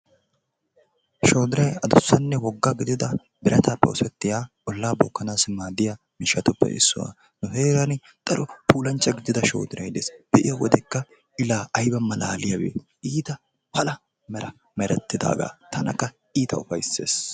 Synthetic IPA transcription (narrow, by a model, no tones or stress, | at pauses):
ʃo̞ːd̪ɪɾɐjɐd̪ʊsːɐnːɛwɔɡːaːɡɪd̪ɪd̪ɐ | bɪɾʔɐt̪aːpːɛ̰ʊsɛt̪ːɪjaː | ɔlːaːbɔːkːɐnaːsmaːd̪ɪja | mɪʃɐt̪ʊpːɛ̰ʔɪ̰sːʊwa̰ | nʊheːɾɐnɪ | d̪̥ɐɾɔpuːlɐnt͡ʃːɐɡɪd̪ɪd̪ɐʃo̞̰ːd̪ɪɾɐjd̪eːsb̥ɛʔɪjɐwɔd̪ɛkːɐ | ɪlaːʔɐjbɐmːɐlaːlɪjɐwḛː | iːt̪ɐ | pɐlɐ | mɛɾɐ | mɛɾɛt̪ːɪd̪a̰ːɡa̰ːt̪ʰɐnɐkːɐ | iːt̪ɐʊfɐjsːḛːs